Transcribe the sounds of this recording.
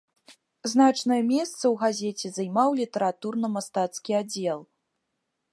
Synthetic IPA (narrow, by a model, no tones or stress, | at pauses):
znat͡ʂnɐjɐmʲɛst̪sɐwɣazʲɛt͡sʲɛzajmawlʲit̪ɐɾat̪urnɐmast̪at̪skʲiad͡zʲɛlˠ